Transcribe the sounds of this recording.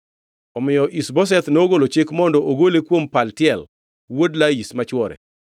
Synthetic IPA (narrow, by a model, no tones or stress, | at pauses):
ɔmɪjɔʔisbɔs̬ɛt̪noɡolot͡ʃɪkmɔndɔʔoɡolekwompaltɪɛl | wodlaismat͡ʃwɔɾɛ̰